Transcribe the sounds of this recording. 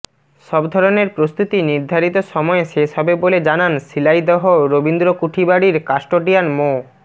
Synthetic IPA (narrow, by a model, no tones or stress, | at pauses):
ʃɔbd̪ʱɔɾoneɾpɾost̪ut̪iniɾd̪ʱaɾit̪oʃɔmɔeʃeʃɔbeboled͡ʑanansilajd̪ɔɦoɾobind̪ɾokuʈʰibaɽiɾkaʃʈoʈijanmo